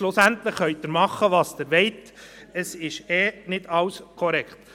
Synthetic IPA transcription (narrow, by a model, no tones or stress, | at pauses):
lʊsænt̪lɪχχœʏt̪ːəɾmɑχːəʋɑːsd̥̪əɾʋɛɪt | əsɪʃɛnɪdɑwskʰɔɾɛkχt̪